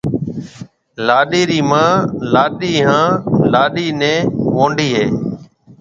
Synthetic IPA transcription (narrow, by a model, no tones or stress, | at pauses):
laːɗiːɾiːmãːlaːɗiːɦãːlaːɗiːnɛ̃ːʋõːɳɖiːɦeː